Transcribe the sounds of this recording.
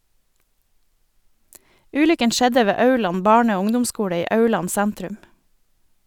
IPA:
ˈʉːlʏkən ˈʃɛdə ˈʋeː ˈɑʉɭɑn ˈbɑːɳə ˈoː ˈʊŋdʊmˌskuːɽə ˈiː ˈɑʉɭɑn ˈsɛntɾʉm

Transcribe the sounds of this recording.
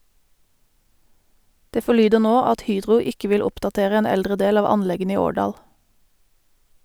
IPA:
ˈdeː fɔˈɭyːdəʁ ˈnoː ˈɑt ˈhyːdʁʊ ˈɪkə ˈʋɪl ˈʊpdɑˌteːʁə ˈeːn ˈɛldʁə ˈdeːl ˈɑːʋ ˈɑnˌlɛɡən ˈiː ˈoːɖɑːl

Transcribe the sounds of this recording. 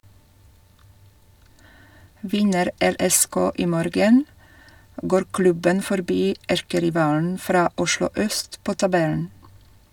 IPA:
ˈʋɪnəɾ ˈɛɾɛˌskoː ˈiː ˈmoːɾɡən ˈɡoːɾ ˈklʉbən fɔɾˈbiː ˈæɾkəɾɪˌʋɑːln̩ ˈfɾɑː ˈʊʃlʊ ˈœst ˈpoː tɑˈbɛln̩

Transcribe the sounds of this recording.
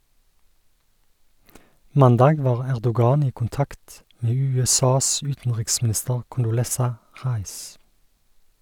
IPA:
ˈmɑndɑːɡ ˈʋɑːʁ ˈæʁdʊˌɡɑːn ˈiː kʊnˈtɑkt ˈmeː ˌʉːɛˈsɑːs ˈʉːtn̩ʁɪksmn̩ˌɪstəʁ kʊndʊˈlɛsɑ ˈʁɑɪs

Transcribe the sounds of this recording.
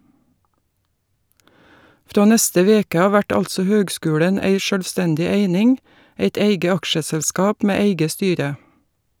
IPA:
ˈfɾoː ˈnɛstə ˈʋeːkə ˈɑː ˈʋæʈ ˈɑlsɔ ˈhøːɡˌskʉːlɛn ˈæɪ ˈʃøːlˌstɛndɪ ˈæɪnɪŋ ˈæɪt ˈæɪɡə ˈɑkʃəsɛlˌskɑːp ˈmeː ˈæɪɡə ˈstyːɾə

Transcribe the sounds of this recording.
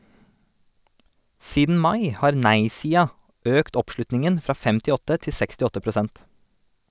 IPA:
ˈsiːdn̩ ˈmɑɪ ˈhɑːɾ ˈnæɪsiːɑ ˈøːkt ˈɔpˌʃlʉtnɪŋən ˈfɾɑː ˈfɛmtɪˌɔtə ˈtɪ ˈsɛkstɪˌɔtə pɾʊˈsɛnt

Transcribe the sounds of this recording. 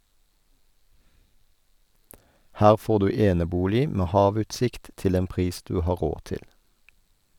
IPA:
ˈhæːʁ ˈfoːʁ ˈdʉː ˈeːnəˌbuːlɪ ˈmeː ˈhɑːˌʋʉːtˌsɪkt ˈtɪl ˈeːn ˈpʁiːs ˈdʉː ˈhɑː ˈʁoː ˈtɪl

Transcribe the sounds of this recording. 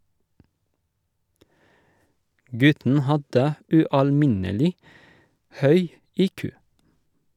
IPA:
ˈɡʉtn̩ ˈhɑdə ʉɑlˈmɪnəlɪ ˈhœʏ ˈiːkʉː

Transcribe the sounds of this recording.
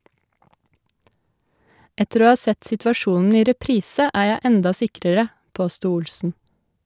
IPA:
ˈɛtəɾ ˈoː ˈhɑː ˈsɛt sɪtʋɑˈʃuːnn̩ ˈiː ɾɛˈpɾiːsə ˈæː ˈjæɪ ˈɛndɑ ˈsɪkɾəɾə ˈpoːstuː ˈʊlsn̩

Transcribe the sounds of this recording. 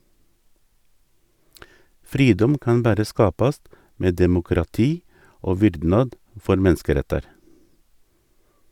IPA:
ˈfɾiːdɔm ˈkɑn ˈbæɾə ˈskɑːpɑst ˈmeː dɛmʊkɾɑˈtiː ˈoː ˈʋʏɾdnɑd ˈfɔɾ ˈmɛnskəˌɾɛtɑɾ

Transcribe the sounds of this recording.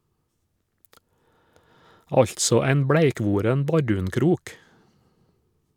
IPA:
ˈɑʎtsɔ ˈæɪn ˈbɽæɪˌkʋuːɾɛn ˈbɑɖʉːnˌkɾuːk

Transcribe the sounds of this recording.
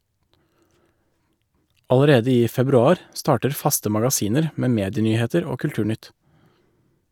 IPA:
ɑləˈɾeːdə ˈiː fɛbɾʉˈɑːɾ ˈstɑːʈəɾ ˈfɑstə mɑɡɑˈsiːnəɾ ə ˈmeː ˈmeːdɪˌnyːˌheːtəɾ ˈoː kʉlˈʈʉːˌɳʏt

